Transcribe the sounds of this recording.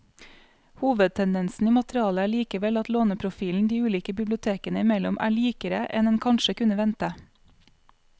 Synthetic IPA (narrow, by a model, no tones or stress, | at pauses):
huːʋəd̪̚t̪ʰɛnd̪ɛnsn̩iːmɑt̪ɾɪɑːləæːɭiːkəʋɛlɑt̪loːnəpʰɾʊfiːln̩d̪iːʉːliːkəbɪblɪʊt̪ʰeːkənəɪmɛlɔmʔæ̰ːɭiːkəɾəʔɛ̰nɛnkʰɑnʃəkʉnəʋɛnt̪ə